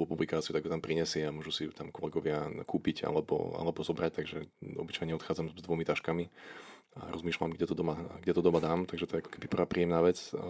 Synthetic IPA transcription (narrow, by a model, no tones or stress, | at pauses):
upublikaːt͡siut̪aɡɦɔt̪ampɾiɲɛsɪɛamʊɔʒusiut̪amkɔlɛɡɔʋɪakuːpiɟa̰lɛbɔ̰a̰lɛbɔzɔbɾac̚t̪aɡʒɛɔ̰bit͡ʃajɲɛɔt̪xaːd͡zamzd̪ʋɔmit̪aʃkami | a̰ɾʔɔzmiːʃlamɡɟɛt̪ɔd̪ɔmaɡɟɛt̪ɔd̪ɔmad̪aːmt̪aɡʒɛt̪ɔjɛakɔ̥kɛbipr̩ʋaːpɾiːjɛmnaːʋɛt͡s